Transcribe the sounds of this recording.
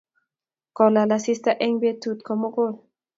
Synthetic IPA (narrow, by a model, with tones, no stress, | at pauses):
kɔ˨la˨la˨si˦st̪a˦ʔe˦ŋbe˦tu˨t̪̚kɔ˨mo˦ko˦˨l